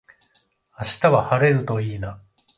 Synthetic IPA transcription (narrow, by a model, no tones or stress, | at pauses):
aɕi̥t̪aβahaɾe̞ɾɯ̟t̪o̞iːna